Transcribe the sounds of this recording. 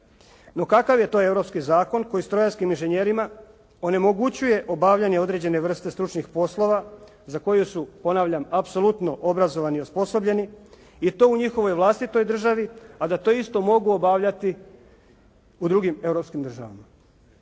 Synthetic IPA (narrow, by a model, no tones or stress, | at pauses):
no̞kakaʋje̞t̪o̞je̞wɾo̞pskizaːko̞nko̞jist̪ɾo̞jaskiminʒeɲe̞ɾima | o̞ne̞moɡut͡ɕuje̞ʔo̞baʋʎaɲeo̞d̪ɾe̞d͡ʑe̞ne̞ʋr̩st̪e̞st̪ɾut͡ʃnixpo̞slˠo̞ʋa | zako̞jusupo̞naːʋʎamapso̞lut̪no̞ʔobɾazo̞ʋaniospo̞so̞bʎe̞ni | it̪o̞uɲixo̞ʋo̞jʋlˠast̪it̪o̞jd̪r̩ʒaʋiad̪at̪o̞ist̪o̞mo̞ɡuobaʋʎat̪i | ud̪ɾuɡime̞wɾopskimd̪r̩ʒaʋa̰ma